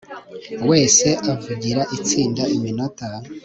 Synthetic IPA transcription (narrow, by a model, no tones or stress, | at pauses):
we̞ːse̞ʔavuɟiɾaʔit͡siːndaʔiminota